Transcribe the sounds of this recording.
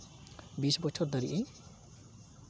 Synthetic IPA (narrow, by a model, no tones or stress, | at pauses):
bisbɔt͡ʃʰɔrd̪ʌɾḭʔe